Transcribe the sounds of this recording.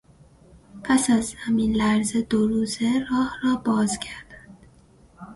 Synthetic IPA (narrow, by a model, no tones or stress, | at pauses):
pʰæsæzhæminlæɾzed̪oɾuːzerɒːhrɒːbɒːzcʰæɾd̪̥ænd̪̥